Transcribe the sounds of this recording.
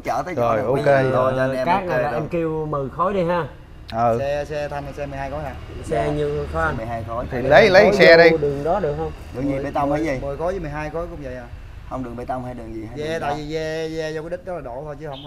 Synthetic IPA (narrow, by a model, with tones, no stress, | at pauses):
t͡ɕəː˧˩t̪əː˨˦zo˨˩jʔo˧˨ke˧o˨˩˧kaː˦˥k̚na˨laː˨ʔɛ˧mki˧wmɨ˨˩xɔ˨˦jɗi˧jɦaː˧ | ʔəː˨˩ɛ˧sɛ˧t̪ʰa˧ŋn˨˩sɛ˧mɨ˨˩jɦaː˧jkɔ˨˦jhaː˧˩sɛ˧ɲɨ˧t̪ʰo˧˦a˧nmɨ˨˩jhaː˧jxo˨˦t̪ʰi˨˩lə˨˦jlə˨˦jsɛ˧ɗi˧ɗɨ˨˩əŋɗɔ˨˦ɗɨ˨˩ək̚hə˧wŋ͡mɗɨ˨˩əzi˨ɓe˨˩t̪a˧wŋ͡maː˨˦zi˨˩mə˨˩jkɔ˨˦jzəː˨˦mɨ˨˩jɦaː˧jkɔ˨˦jkʊ̰˧˥ŋ͡mvə̰˧˨jaː˨˧˩ | hə˧wŋ͡mɗɨ˨˩ək̚ɓe˨˧˩t̪a˧wŋ͡mhaː˧jɗɨ˨˩ŋzi˨˩haː˨˦zɛ˧t̪a̰ː˧˨jvi˨˩zɛ˧zɛ˧zɔ˧kːa˨˦ɗï̟˦˥zə˦˥laː˨˩ɗo˧˩t̪ʰo˧jt͡ɕɨ˨˦hə˧wŋ͡m